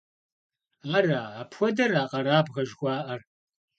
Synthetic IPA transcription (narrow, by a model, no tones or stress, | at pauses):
ɐraːaːpxʷɔdɐraːqʼɐɾaːbɣɐʒxʷɑːʔɐr